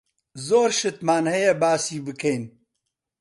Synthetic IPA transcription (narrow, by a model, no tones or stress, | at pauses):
zoːɾʃɨt̪maːnhɛjɛbaːsiːbɨkʰejn